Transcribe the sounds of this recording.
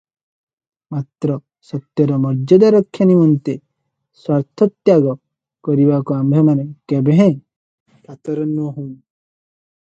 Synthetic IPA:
mat̪ɾɔ | sɔt̪jɔɾɔmɔɾd͡ʒɔd̪aɾɔkʰːjanimɔnt̪e | swaɾt̪ʰɔt̪jaɡɔ | kɔɾibakuambʱemanekebeɦẽ | kat̪ɔɾɔnːuɔɦũm

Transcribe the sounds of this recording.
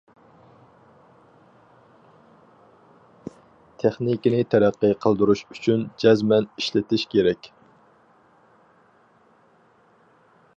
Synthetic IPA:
t̪ʰeχnikʲinɪt̪ʰæɾæqːɨqʰəlˠd̪uɾuʃyt͡ʃʰynd͡ʒɛzmɛniʃlɪt̪ɪʃkʲʰeɾɛkʲ

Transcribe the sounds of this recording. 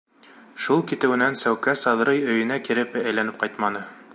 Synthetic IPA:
ʃulˠkit̪ɘ̆wɘ̆nænsæwkæsɑðɤ̆ɾɤjɵ̆jɘ̆nækiɾɘpæjlænɘp̚qɑjt̪mɑnɤ

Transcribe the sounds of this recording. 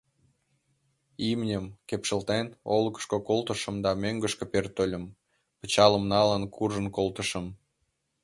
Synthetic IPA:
imnʲəmkepʃəlt̪enolkə̥ʃkokolt̪əʃə̆md̪ɑmøŋɡəʃkepert̪olʲə̆m | pə̥t͡ɕɑləmnɑlənkʰurʒənkolt̪əʃəm

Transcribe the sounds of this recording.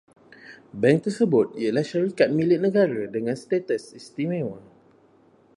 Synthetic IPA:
bɛ̃ŋk̚t̪əsəbʊt̪̚iəlahʃaɾikat̪̚milɪt̪̚nəɡaɾadəŋãnst̪et̪əsist̪imẽwa

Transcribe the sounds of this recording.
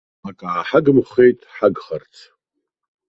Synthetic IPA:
akʼaʕaħaɡɨmχejtʼħaɡχart͡sʰ

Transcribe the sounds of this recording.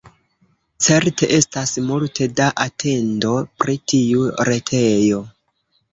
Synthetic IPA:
t͡se̞ɾte̞ʔe̞stasmultʰe̞daʔatʰe̞ndo̞pɾitiuɾe̞tʰe̞jo̞

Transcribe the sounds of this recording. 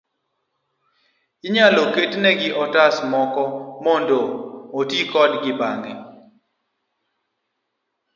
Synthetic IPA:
ɪɲaloketnɛɡɪʔɔtasmɔkɔmɔndoːtikɔdɡɪbaŋɛ

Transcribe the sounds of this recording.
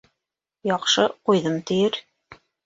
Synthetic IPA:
jɑqʃɤqujðɤmt̪ɘ̆jɘɾ

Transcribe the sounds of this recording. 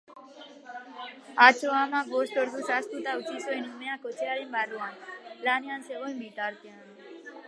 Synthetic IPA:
at͡ʃʰoamaɡoʂʈoɾd̪usast̪ut̪aut͡ʃʰisojnumeakot͡ʃʰeaɾenbaɾianɾaneanseojmbiʈ̪aɾt̪ean

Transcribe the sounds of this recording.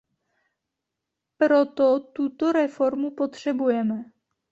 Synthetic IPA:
pɾo̞t̪ot̪ut̪oɾɛfo̞ɾmupo̞t̪r̝̥ɛbujɛmɛ

